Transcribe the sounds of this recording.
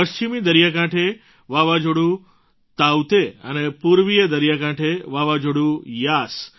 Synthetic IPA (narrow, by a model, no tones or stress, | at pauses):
pəʃt͡ʃimid̪əɾijakãʈʰe | ʋaʋad͡ʒoɽũ | t̪awt̪eə̰nepuɾʋijed̪əɾijakãʈʰeʋaʋad͡ʒoɽũjas